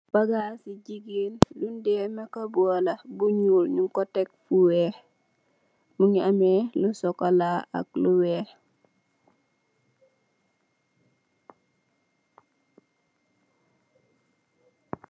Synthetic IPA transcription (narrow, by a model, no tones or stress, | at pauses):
b̥aɡaːsiɟiɡildundɛːmakɐbuɔlɐbuɲuːlɲuŋkɔtɛk̚fuwɛ | muŋiamɛlusɔkalaa̰k̚luwɛːh